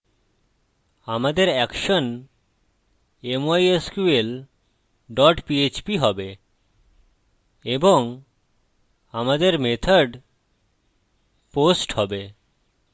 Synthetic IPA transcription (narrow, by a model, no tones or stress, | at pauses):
amad̪eɾɛkʃon | emajeskuel | ɖɔʈpiet͡ɕpiɦɔbe | eboŋ | amad̪eɾmet̪ʰaɖ | posʈhɔbe